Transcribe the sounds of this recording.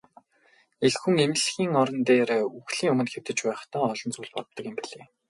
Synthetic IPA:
eɮxuŋemɘ̆ɮxiːŋɔɾɞ̆nt̪eːɾeːuxɮiːŋɵmɵ̆nxew̥t̪ɘ̆t͡ɕpæːχt̪aːɔɮɞ̆nt͡suːɮpɔ̰ɮɞt̪ɞ̆kɪ̆mpiɮeː

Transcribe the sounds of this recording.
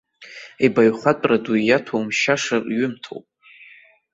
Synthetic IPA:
ebaɥχatʼraduijatʰowmʃaʂarɥʏmtʰo̰wpʼ

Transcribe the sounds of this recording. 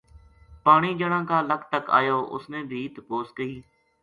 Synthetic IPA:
paːɳiːd͡ʒəɽãːkaːləkʰt̪əka̰ːjoːʔʊ̰snẽːb̪ʱiːt̪əpoːskəiː

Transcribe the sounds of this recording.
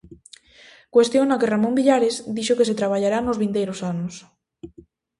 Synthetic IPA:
kwest̪jonakeramõmbiʎaɾezd̪iʃokes̬et̪ɾaβ̞aʎaɾanozβint̪ejɾosanos

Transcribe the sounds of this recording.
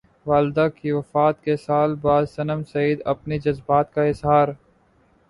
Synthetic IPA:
ʋaːld̪akiʋɐfaːt̪̚kesaːlbaːd̪sɐnəmsɐiːd̪ɐpnid͡ʒɐzbaːt̪kaɪzɦaːɾ

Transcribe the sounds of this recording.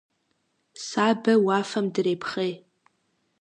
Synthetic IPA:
sabawafamdrejpʰχej

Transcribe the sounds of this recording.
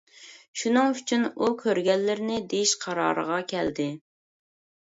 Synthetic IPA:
ʃunɨŋyt͡ʃʰynukʲʰøɾɡʲɛlːɪɾɪnɪd̪ejiʃqʰɑɾɑ̰ːɾə̰ʁɑkʲʰɛld̪ɪ

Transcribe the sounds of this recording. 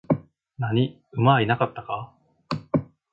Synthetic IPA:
naɲ̟i | ɯ̟mainakat̪ːaka

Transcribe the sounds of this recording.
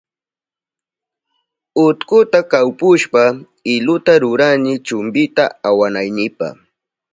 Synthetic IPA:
ʊt̪kʊt̪akawpʊʃpa | ɪlʊt̪aɾʊɾanɪt͡ʃʊmbɪt̪aawanajnɪpa̰χ

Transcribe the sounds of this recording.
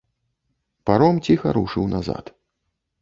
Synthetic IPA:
paɾɔmt͡sʲixɐ̰ɾuʂɨwnaza̰t̪

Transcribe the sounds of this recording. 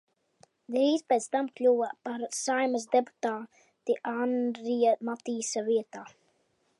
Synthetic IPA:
d̪ɾiːzpet̪st̪amklʲuwapaɾsajmaz̬d̪epu̥t̪aː | t̪iʔand̪ɾijamat̪iːsaviɛt̪aː

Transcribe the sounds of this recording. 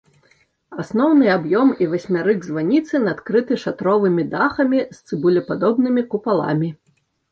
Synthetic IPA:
asnɔwnɨabjɔmivasʲmʲaɾɨɡzvanʲit̪sɨnat̪kɾɨt̪ɨʂat̪ɾɔvɨmʲid̪axɐmʲist̪sɨbulʲɛpad̪ɔbnɨmʲikupalˠa̰mʲi

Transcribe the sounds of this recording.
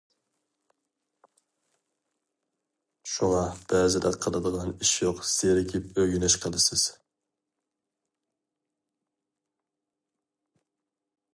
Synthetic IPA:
ʃuŋɑb̥ɛzɪd̪ɛqʰːɑd̪ɑd̪əʁɨniʃjoqseɾɪkʲʰɪpøɡʲynɛʃqʰəd̪ˠɨsɪz̥

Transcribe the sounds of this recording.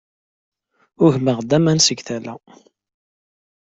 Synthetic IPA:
ʊʝməʁd̪æmænsəɡθælæ̰

